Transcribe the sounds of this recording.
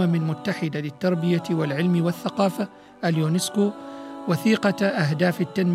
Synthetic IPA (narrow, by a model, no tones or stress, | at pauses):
amɪlmʊt̪ːaħɪd̪alɪt̪ːɑɾˤbɪjawalʕɪlmɪwaθːaqɑːfa | ʔaljuːnɪskuːwaθiːqɑʔaɦd̪aːfɪt̪ːanm